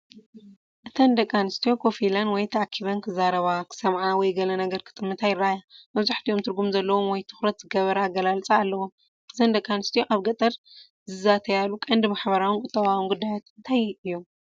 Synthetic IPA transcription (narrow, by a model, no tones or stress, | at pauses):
ʔɨt̪ʰɐnd̪ɐkʼːanɨst̪ʰijo̞kʰo̞filanwɔjt̪ʰɐʔakʰːiβɐnkʰɨzaɾɐβakʰɨ̥sɐmʕawɔjɡɐlɐnɐɡɐɾkʰɨ̥t̪ʼɨmːɨt̪ʰajɪraajamɐβzaħt̪ʰio̞mt̪ʰɨɾɡumzɐlːɐwo̞mwɔjt̪ʰɨ̥xɾɐt̪z̥ɨɡɐβɐɾɐaɡɐlalt͡sʼaːlːɐwom | ʔɨt̪ʰɐnd̪ɐkʼːanɨst̪ʰijo̞ʔaβɡɐt̪ʼɐɾ | zɨzat̪ʰɐjalukʼɐnd̪maħbɐɾawɨnkʼʊt̪ʼːɐβawunɡud̪ːajat̪ɨnt̪ʰajɨjːom